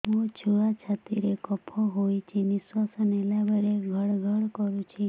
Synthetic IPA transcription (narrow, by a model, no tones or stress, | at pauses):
õt͡ʃʰuɽat͡ʃʰat̪iɾekɔpʰɔɦojt͡ʃʰeniswasənelabəɽeɡʱəɽɡʱəɽkɔɾũt͡ʃʰi